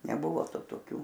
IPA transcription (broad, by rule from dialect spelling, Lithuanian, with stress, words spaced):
nʲɛˈbʊʋoː ˈtʊ toːˈkʲuː